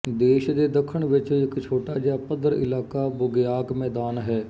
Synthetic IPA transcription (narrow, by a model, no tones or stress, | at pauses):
d̪eːʃd̪eːd̪əkʰːəɳʋɪt͡ʃːɪkt͡ʃʰoːʈaːd͡ʒaːpəd̪əɾɪ̰laːkaːbʊɡjaːkmɛːd̪aːnɦɛː